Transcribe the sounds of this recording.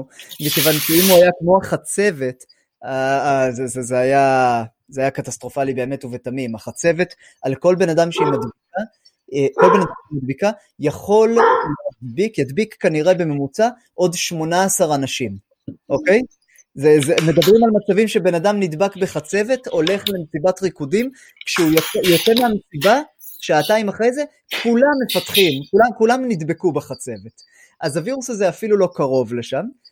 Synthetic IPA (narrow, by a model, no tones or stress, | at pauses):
mikevanʃeimuajakmo̞aχat͡se̞ve̞t | azezezeaja | zeajakatast̪ʁo̞falibe̞ːme̞tuvetamimaχat͡se̞ve̞t̪ | alko̞lbe̞nadamʃeimad̪bika | ko̞lbe̞nadaʃimad̪̚bika | jaχo̞lleadbikjad̪bikːaniʁe̞be̞me̞mut͡sa | ʔo̞dʃmo̞naːsaʁanaʃim | ʔo̞ke̞j | zezeme̞dabʁimalmat͡savimʃe̞be̞nadamnid̪bakbe̞χat͡se̞ve̞to̞le̞χle̞mesibatʁikudim | kʃeujot͡sejot͡semeamesiba | ʃeataimaχʁe̞jze̞ | kʰulamːe̞fat̪χimkulamkulamnid̪bekubeχat͡se̞ve̞t | ʔazaviʁusazeafilulo̞kaʁo̞vle̞ʃam